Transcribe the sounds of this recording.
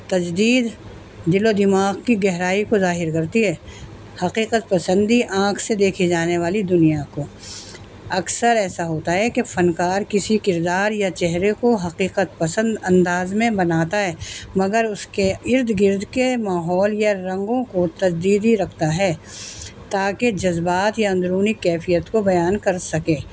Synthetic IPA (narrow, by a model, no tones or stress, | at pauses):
t̪ɐd͡ʒd̪iːd̪ | d̪ɪlod̪ɪmaːɣkiɡɛɦɾaːikozaːɦɪɾkɐɾt̪iɦɛː | hɐqiːqət̪pɐsə̃nd̪iʔãːkʰsed̪eːkʰid͡ʒaːneʋaːlid̪ʊnijako | ɐksəɾɛːsaɦoːt̪aɦɛkefɐnkaːɾkɪsikɪɾd̪aːɾjat͡ʃɛɦɾekoɦɐqiːqət̪pɐsə̃nd̪ɐ̃nd̪aːzmẽbɐnaːt̪aɦɛːmɐɡəɾʊskeɪɾd̪ɡɪɾd̪ʱkemaːɦɔːljaɾɐ̃ŋɡõkot̪ɐd͡ʒd̪iːd̪iɾɐkʰt̪aɦɛː | t̪aːked͡ʒɐzbaːt̪jaɐ̃nd̪ɾuːnikɛːfijət̪kobɐjaːnkɐɾsɐkẽː